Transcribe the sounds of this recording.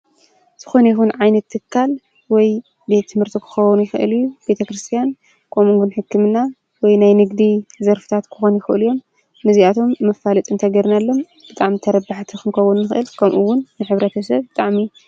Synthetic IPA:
z̥ɨxo̞nɐjixunʕajnɐt̪ʰːɨkʰːal | wɔj | be̞t̪ʰːɨmhɨɾt̪ʰikʰɨ̥xɐwunjɪxɨʔɨ̰lijub̥e̞t̪ʰɐkɾɨst̪ʰijan | kʰʼo̞muŋɡunħɨkːɨmɨnːa | wɔjnajnɨɡd̪izɐɾfɨ̥t̪ʰat̪kʰɨ̥xonjɪxɨʔɨ̰lujo̞mː | ɨziat̪ʰo̞mːɨfːalɐt̪ʼɨnt̪ʰɐɡɐɾnalːo̞m | b̥ɨt̪ʼaʕmit̪ʰɐɾɐbːaħt̪ʰixɨnkʰɐwunːɨxʔɨ̰lkʰɐmʔuwʊnːɨħɨβɾɐt̪ʰɐsɐβbɨt̪ʼaʕmi

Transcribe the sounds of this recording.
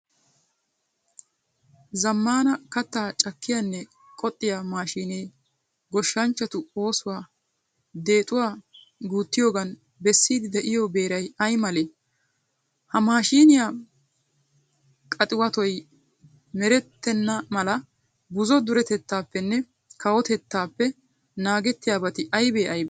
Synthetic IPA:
zɐmːaːnɐkɐt̪ːaːt͡ʃʼɐkːɪjanːɛ | kʼɔt̪ʼːɪjamaːʃiːneː | ɡɔʃːɐnt͡ʃːɐt̪ʊoːsʊwaː | d̪e̞ːt̪ʼʊwaː | ɡuːt̪ːɪjo̞ːɡɐn | bɛsːiːd̪ɪd̪ɛʔɪjobe̞ːɾɐjɐjmɐleː | hɐmaːʃiːnɪja | kʼɐt̪ʼɪwɐt̪ɔj | mɛɾɛt̪ːɛnːɐmɐlɐ | bʊzɔd̪ʊɾɛt̪ɛt̪ːaːpːɛnːɛ | kɐwɔt̪ɛt̪ːaːpːɛ | naːɡɛt̪ːɪjaːbɐt̪ɪʔɐjbeːʔɐjb

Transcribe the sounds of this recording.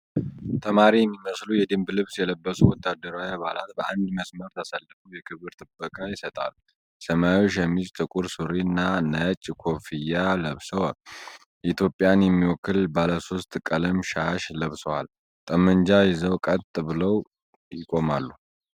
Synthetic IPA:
t̪ʰəmaɾijɛmːiməslujɛd̪ɨmblɨβsjɛləbːəsuwɔt̪ʰːad̪ːəɾawiaβa̰la̰t̪bəand̪məsməɾt̪ʰəsalːɨfuwjɛkʰɨβɨɾt̪ʼɨbːəkʼajɪsət̪ʼa̰l | səmajwoʃjɛmːit͡ʃʼt̪ʼɨkʼuɾsuɾinːanət͡ʃʼkʰo̞fijaləβsəwal | ʔit̪ʰjo̞pʼːjanjɛmːiwɔkːɨlbaləso̞st̪ʼkʼələmʃaʃləβsəwa̰l | t̪ʼəmːənd͡ʒajɪzəwkʼət̪ʼːɨbɨləw | jɪkʼo̞malːu

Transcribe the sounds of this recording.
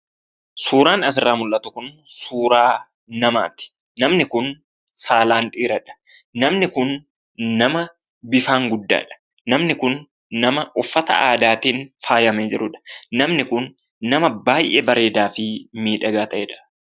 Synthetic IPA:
suːɾaːnɐs̬ɪrːaːmʊlʔɐt̪ʊkʊnsuːɾaː | nɐma̰ːt̪ɪ̥ | nɐmnɪkʊn | saːlaːnᶑ̪ʼiːɾɐᶑɐ̥ | nɐmnɪkʊnː | ɐmɐ | bɪfaːŋɡʊd̪ːa̰ːᶑɐ̥ | nɐmnɪkʊnː | ɐmɐʔʊfːɐt̪ɐ̰a̰ːd̪aːt̪iːnfaːjɐmeːd͡ʒɪɾʊᶑɐ̥nɐmnɪkʊnː | ɐmɐbaːjʔɛbɐɾe̞ːd̪aːfɪmiːᶑɐɡaːt̪ɐʔɛᶑɐ̥

